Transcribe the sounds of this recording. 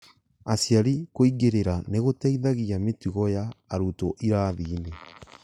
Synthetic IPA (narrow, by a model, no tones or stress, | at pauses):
asjaɾikoiɣeɾeɾaneɣotɛiðaɣiametiɣɔjaːɾutoʔiɾaðiːne